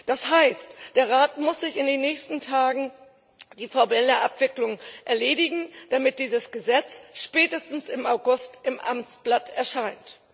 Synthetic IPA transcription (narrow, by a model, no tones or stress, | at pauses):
d̥ashaɪstd̥eːɐʁaːtmʊsz̥ɪçɪndeːnːɛːçstn̩tʰaːɡŋ̩ | d̥iːfɔbɛləʔapv̥ɪklʊŋʔɛɐleːɾɪɡŋ̩d̥amɪt̚d̥iːzəsɡ̥əzɛt͡sʃpɛːtəstn̩sɪmaʊɡʊstɪmʔa̰mt͡sb̥latɛɐʃaɪnt